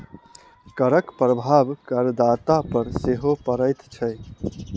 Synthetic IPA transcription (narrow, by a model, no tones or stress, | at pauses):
kəɾəkpɾəbʱabkəɾd̪at̪apəɾseɦopəɾəjt̪t͡ʃʰəj